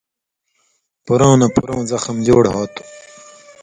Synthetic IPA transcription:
puɾõːnɐpuɾõːzɐxɐmd͡ʑoːɽɦaːt̪u̥

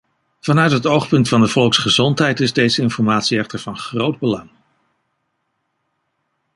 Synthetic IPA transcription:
v̥ɑnœɥtɦətowχpɵntfɑndəvɔlˠksχəzɔntɦɛjtɪzdejzəɪnfɔɹmaːtsiɛχtəɹvɑnχrowd̚bəlɑŋ

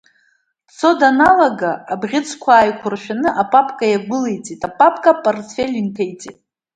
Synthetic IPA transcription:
t͡sʰo̞danalaɡaabʁʲɪt͡sʰkʷʰaːjkʷʰʊrʃᶣanɨʔapʼapʰʼkʼajaɡʷʊlejt͡sʼitʼapʼapʰʼkʼapʼortʰfʲelʲintʰejt͡sʼitʼ

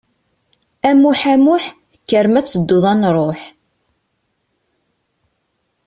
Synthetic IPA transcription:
æmuħæmuħ | kːəɾmæt͡sːəd̪ːʊðˤɑnɾˤoħ

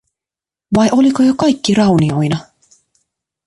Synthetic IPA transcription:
ʋɑjʔo̞likojokɑjkːirɑwnio̞jnɑ

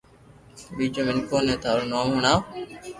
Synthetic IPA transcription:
ɓiːd͡ʒoːmɪnkoːnẽːt̪aːɾnaːmɦuɳaː

